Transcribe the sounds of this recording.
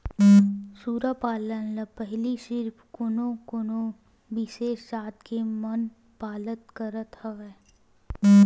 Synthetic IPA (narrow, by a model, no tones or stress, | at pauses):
suːɾapaːlənlɐpɛɦliʃɪɾpʰkʊnokʊno | ʋɪʃeːʃsaːt̪kemən | paːlət̪kəɾət̪hɐʋɛː